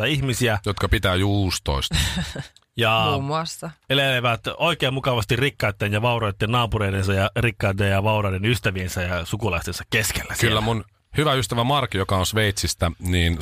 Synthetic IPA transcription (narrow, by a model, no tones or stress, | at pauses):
ɑihmisiæjot̪kɑpit̪æːjuːst̪o̰ist̪ɑ | jɑmːɑst̪ɑeleleʋæt̪oikeːmmukɑʋɑst̪irrikːɑyt̪ːenjɑʋɑuɾoit̪ːennɑːpuɾeidensɑjɑrikːɑt̪ːejjɑʋɑuɾɑjdenyst̪æʋiensæjɑsukulɑist̪ensɑ̥kkeskelːæskylːæmun | hyʋæyst̪æʋæmɑrkːijokɑonsʋeit̪sist̪æniːn